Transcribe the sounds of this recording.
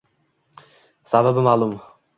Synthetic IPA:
sababɪmaːlˠʊm

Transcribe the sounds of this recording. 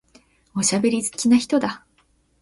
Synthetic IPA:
o̞ɕabe̞ɾʲizɨ̥kʲinaçi̥t̪o̞d̪a

